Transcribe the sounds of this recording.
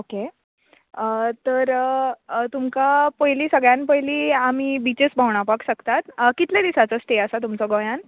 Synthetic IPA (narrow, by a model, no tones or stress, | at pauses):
oke | ət̪əɾ | t̪umkapəɦjliːsəɡɭjãnpəɦjliːamiːbit͡ɕesbʱaʋɳ̃apakɕəkt̪at̪kit̪ljad̪isat͡sɔsʈeəsat̪̬umt͡sɔɡɔjãn